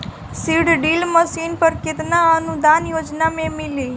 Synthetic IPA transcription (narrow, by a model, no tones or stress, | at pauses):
siːɖɖiːlmɐsiːnpɐɾkit̪ɐnɐɐnud̪aːnjoːd͡ʒnameːmilːi